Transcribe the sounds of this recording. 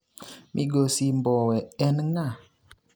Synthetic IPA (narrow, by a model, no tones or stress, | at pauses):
mʔiɡosimbɔwɛɛnŋa